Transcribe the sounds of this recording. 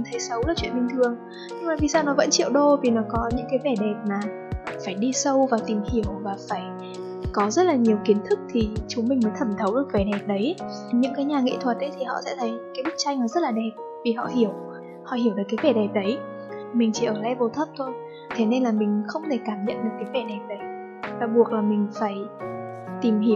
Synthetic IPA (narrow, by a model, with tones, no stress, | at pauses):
t̪ʰə˨˦jsə˨˦wlaː˨˩t͡ɕwḭ˧˨ənɓï˨˩ŋ̟t̪ʰɨ˨˩əŋ | ɲɨ˧ŋŋ͡mmaː˨˩vi˨˩saː˧wnɔ˨˦və̰˧˥nt͡ɕḭ˧˨əwɗo˧vi˨˩nɔ˨˦kɔ˨˦ɲɨ̰˧˥ŋkaː˨˦jvɛ˧˩ɗɛ˨˩p̚maː˨˩ | faː˧˩jɗi˧sə˧wvaː˨˩t̪i˨˩mhi˧˩əwvaː˨˩faː˧˩j | kɔ˨˦zə˦˥t̚laː˨˩ɲi˨˩əwki˨˦ənt̪ʰɨ˦˥k̚t̪ʰi˨˩t͡ɕʊ˨˦ŋ͡mmï˨˩ŋ̟mə˨˦jt̪ʰə˧˩mt̪ʰə˨˦wɗɨ˨˩ək̚vɛ˧˩ɗɛ˨˩p̚ɗə˨˦j | ɲɨ̰˧˥ŋkaː˨˦jɲaː˨˩ŋḛ˧˨t̪ʰwə˨˩t̚ʔə˨˦jt̪ʰi˨˩hɔ̰˧˨sɛ̰˧˥t̪ʰə˨˦jkaː˨˦jɓɨ˦˥k̚t͡ɕa˧jŋlaː˨˩zə˦˥t̚laː˨˩ɗɛ˨˩p̚ | vi˨˩ɦɔ̰˧˨hi˧˩əw | hɔ̰˧˨ɦi˧˩wɗɨ˨˩kːaː˨˦jvɛ˧˩ɗɛ˨˩p̚ɗə˨˦j | mï˨˩ŋ̟t͡ɕi˧˩ʔəː˧˩lɛ̰˧˥vo˨˩t̪ʰə˦˥p̚t̪ʰo˧j | t̪ʰe˨˦ne˧nlaː˨˩mï˨˩ŋ̟xə˧wŋ͡mt̪ʰe˧˩kaː˧˩mɲə̰˧˨nɗɨ˨˩t̚kaː˨˦jvɛ˧˩ɗɛ˨˩p̚ɗə˨˦j | vaː˨˩ɓu˨˩ək̚laː˨˩mï˨˩ŋ̟faː˧˩j | t̪i˨˩mi˧˩w